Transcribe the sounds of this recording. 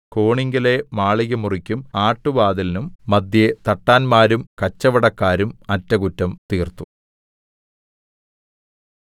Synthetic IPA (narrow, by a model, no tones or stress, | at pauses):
ko̞ːɳiŋɡɐle̞maːɭiɣɐmurikʲːumaːʈːuʋaːd̪ɐlnumːɐd̪jet̪ɐʈːaːnmaːɾumkɐt͡ɕːɐʋɐɽɐkːaːɾumɐtːɐɣutːɐmt̪iːrt̪u